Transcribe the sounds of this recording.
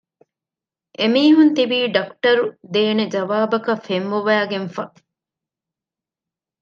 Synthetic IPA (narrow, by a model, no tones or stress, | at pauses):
ʔemiːɦunt̪ibiːɖɐkʈɐɾud̪eːned͡ʒɐʋaːbɐkɐfemʋuʋæːɡenfɐ